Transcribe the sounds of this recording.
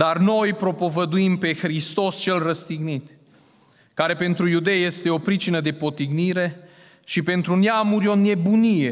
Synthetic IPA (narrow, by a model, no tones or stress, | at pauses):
d̪arno̞jpɾo̞po̞vəd̪uimpe̞xɾist̪o̞st͡ʃe̞lrəst̪iɡnit̪ | kaɾe̞pe̞nt̪ɾujud̪e̞jje̞st̪e̞o̞pɾit͡ʃinəd̪e̞po̞t̪iɡniɾe̞ | ʃipe̞nt̪ɾuneamuɾʲo̞ne̞bunije̞